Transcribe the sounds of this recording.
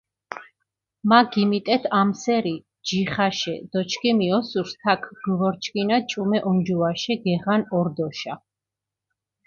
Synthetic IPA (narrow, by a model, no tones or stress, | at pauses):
maɡimit̪ʼɛt̪ʰamsɛɾi | d͡ʒiχaʃɛ̰d̪̥ɔt͡ʃʰkʰʼimiɔsuɾst̪ʰakʰɡ̥vɔɾt͡ʃʰkʼinat͡ʃʼumɛʔɔnd͡ʒuaʃɛɡɛʁanɔɾd̪ɔʃa